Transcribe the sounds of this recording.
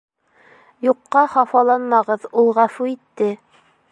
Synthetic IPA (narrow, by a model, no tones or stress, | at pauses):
juqːɑχɑfɑlˠɑnmɑʁɤðulˠʁæfuit̪ːɘ